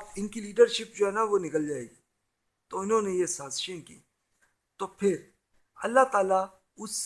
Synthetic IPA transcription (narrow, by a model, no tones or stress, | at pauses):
ɪnkiliːɖəɾʃɪp̚d͡ʒoːɦɛːnaʋonɪkəld͡ʒaːḛːɡiː | t̪oʊnɦõːnejesaːzʃẽkḭː | t̪oːpʰɪɾ | ɐ̰lːat̪aːla | ʊs